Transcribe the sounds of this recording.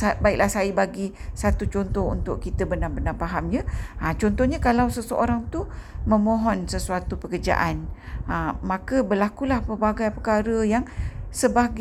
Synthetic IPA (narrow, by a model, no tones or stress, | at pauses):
baik̚lahsaibaɡisat̪ut͡ʃɔnt̪ɔɦṵnt̪ʊʔkit̪əbənarbənapaɦamɲəət͡ʃɔnt̪ɔhɲakalawsəsəʔoɾaŋt̪umə̃mõɦɔnsəsuat̪upəkərd͡ʒa̰ʔanəmãkəbərlakulahpərbaɡajpəkaɾəjaŋsəbaɡ